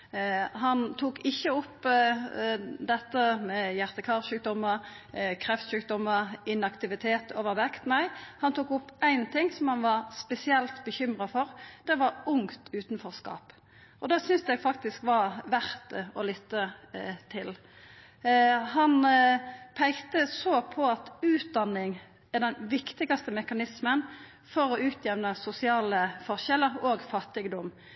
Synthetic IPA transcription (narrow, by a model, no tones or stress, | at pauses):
ɦɑnt̪ʰuːkɪçːəɔpː | d̪ɛt̪ːəmɛjæʁt̪əkʰɑʁʃʉːk̚d̪ɔmːəɾ | kʰʁɛft̪ʃʉːk̚d̪ɔmːəɾɪnɑkt̪ɪʋɪt̪ʰeːt̪ʰoːʋəʁʋɛkt̪næɪhɑnt̪ʰuːkʊpːæɪnt̪ʰɪŋːsɔmhɑnʋɑɾspɛsɪɛlt̪bəçʏmʁɑfɔɾd̪̥ɛʋɑɾʊŋt̪ʉːt̪n̩fɔʁskɑ̰ːp | ʔɔd̪ɑːsʏnsɛɡfɑk̚t̪ɪskʋɑʋæʁt̪ɔlɪt̪ːət̪ʰɪl | hɑn | pʰæɪkt̪əsoːpʰɔɑt̪ʉːt̪̚d̪ɑnːɪŋ | æd̪ɛnʋɪkt̪ɪɡɑst̪əmɛkɑnɪsmən | fɔɾɔʉːt̪ʰjɛʋnəsʊsɪɑːləfɔʁʃɛləʁoːɡfɑt̪ːɪɡd̪ɔm